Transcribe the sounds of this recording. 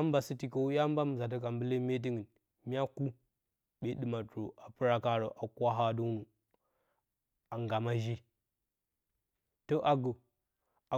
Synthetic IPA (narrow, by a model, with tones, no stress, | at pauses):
a˦m˦ba˨si˦ti˨ko˨u˦ja˦m˦ba˦m˨za˨t̬a˦ka˨mbə˦le˦me˦t̬i˦ŋi˨n | mi˦a˦ku˦ | ɓe˦ɗɨ˨ma˨to˨ʔa˨pɨ˦ɾa˦ka˦ɾo˨ʔa˨kʷa˦ɦa˦du˦nu˨ | a˨ŋɡa˨ma˦ʒi˦ | to˦ʔa˨ɡo˨ | a˨